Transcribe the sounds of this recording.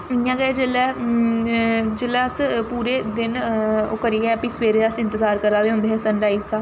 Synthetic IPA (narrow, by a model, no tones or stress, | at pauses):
ɪjãːɡɛed͡ʒelɛː | d͡ʒɪlɛːəspuːɾeːd̪ɪnoːkəɾiːɛːəpĩːsʋeːɾeəsɪ̃nt̪əzaːɾkəɾaːd̪eɦʊ̃nd̪eːɦɛːsənɾaːizkaː